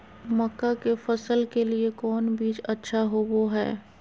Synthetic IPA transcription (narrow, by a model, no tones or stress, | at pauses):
mɐkːakefɐsəlkeliekɔːnbiːt͡ʃɐtːʃʰaɦoʋoɦɛ̰ː